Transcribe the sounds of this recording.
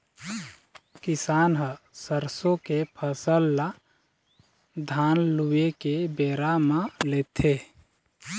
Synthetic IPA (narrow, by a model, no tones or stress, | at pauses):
kɪsaːnɦəsəɾsõkepʰəsəlːa | d̪ʱaːnluekebeːɾamãleːt̪ʰe